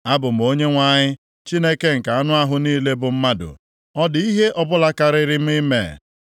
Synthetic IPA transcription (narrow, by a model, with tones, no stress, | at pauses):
a˦bʊ˨m̩˨o˦ɲe˦ŋʷa˦˨ɲɪ˦ | t͡ʃi˦ne˦ke˦ŋ̩˨ka˨a˦nʊ˦a˦ɦʊ˦niː˦le˦bʊ˨m̩˦ma˦dʊ̰˨ | ɔ˦di˦ɦe˦ʔɔ˦bʊ˦la˦ka˨ɾɪ˦ɾɪ˦m̩˦i˦mḛ˨